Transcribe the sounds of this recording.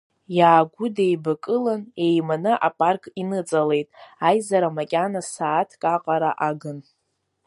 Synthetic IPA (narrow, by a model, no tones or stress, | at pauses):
jaːɡʷʊdejbakʼɨlane̞jmanɨʔapʼarkʼinɨt͡sʼale̞jtʼajzaɾamakʲʼanasaːtʰkʼaqʼaɾa̰ʔaɡɨn